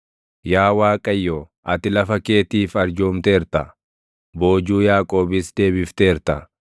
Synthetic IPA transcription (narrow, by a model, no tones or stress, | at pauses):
jaːwaːkʼɐjːoː | ʔɐt̪ɪlɐfɐke̞ːt̪iːfɐɾd͡ʒoːmt̪e̞ːɾt̪ɐ | bo̞ːd͡ʒuːjaːkʼo̞ːbɪsd̪e̞ːbɪft̪e̞ːɾt̪ɐ